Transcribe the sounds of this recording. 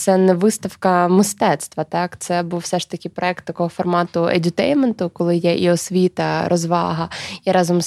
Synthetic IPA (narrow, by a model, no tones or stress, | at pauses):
t̪sɛnɛʋɪst̪ɐwkɐmɪst̪ɛt̪st̪ʋɐt̪ɑkt̪sɛbuwfsɛʂt̪ɐkʲɪpɾɔɛk̚t̪ːɐkɔɦɔfɔrmɑt̪ʊḛdʲʊt̪ɛjment̪ʊkɔlˠɪjɛʔiɔsʲʋʲit̪ɐɾʔɔzʋɑ̰ɦɐiɾɑzɔms